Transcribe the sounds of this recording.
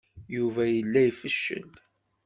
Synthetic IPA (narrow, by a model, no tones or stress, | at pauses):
juvæjəlːæjfəʃːə̰n